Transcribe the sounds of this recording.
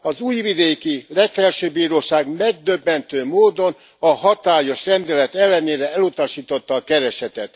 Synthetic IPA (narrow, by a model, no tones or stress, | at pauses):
ɒzuːjvid̪eːkilɛkfɛlʃøːbiːɾoːʃaːɡmɛɡ̚d̪øbːɛnt̪øːmoːd̪o̞n | ɒɦɒt̪aːjo̞ʃrɛnd̪ɛlɛt̪ɛlːɛneːɾɛɛlut̪ɒʃiːt̪ot̪ːɒːkɛɾɛʃɛt̪ɛt̪